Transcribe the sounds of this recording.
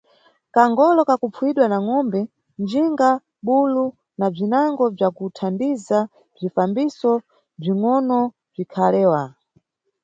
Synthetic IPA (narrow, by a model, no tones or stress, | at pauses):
kaŋɡɔlɔkakupp͡fʰuwiɗwanaŋɔmbɛ | nd͡ʒiŋɡa | ɓulu | nab͡ʐinaŋɡɔb͡ʐakutʰandiza | b͡ʐifambisɔ | b͡ʐiŋɔnɔ | b͡ʐikʰalɛːwa